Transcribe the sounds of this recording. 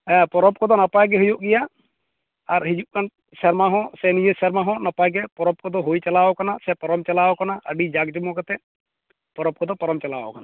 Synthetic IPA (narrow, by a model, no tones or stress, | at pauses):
pɔɾɔp̚kɔd̪ɔnapajɡɛɦujɔʔɡɛja | aɾɦid͡ʒuʔ̚kan | sɛɾmaɦɔ̃sɛnid͡ʒesɛɾmaɦɔ̃napajɡɛpɔɾɔp̚kɔd̪ɔɦojt͡ʃalawɔkanasɛpɔɾɔmt͡ʃalawɔkanaʔə̰ɖid͡ʒaɡd͡ʒɔmɔ̃kɛt̪ɛ | pɔɾɔp̚kɔd̪ɔpɔɾɔmt͡ʃalawɔ̰kana